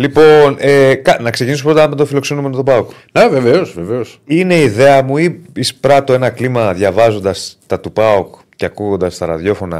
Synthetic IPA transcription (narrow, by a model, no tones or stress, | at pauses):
lipo̞nekɐnɐkse̞cinisopɾo̞t̪ɐmet̪ofilo̞ksenume̞not̪opɐok | neveveosveveosine̞iðe̞ɐmuiispɾɐt̪o̞e̞nɐklimɐðʝɐvɐzo̞nd̪ɐst̪ɐt̪upɐok | ceɐkuɣo̞nd̪ɐst̪ɐɾɐðjo̞fo̞nɐ̰